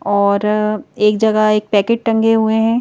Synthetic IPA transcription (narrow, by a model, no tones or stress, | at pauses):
ɔːɾeːk̚d͡ʒɐɡaeːk̚pɛːkeːʈ̚ʈɐ̃ŋɡeɦueɦɛ̃ː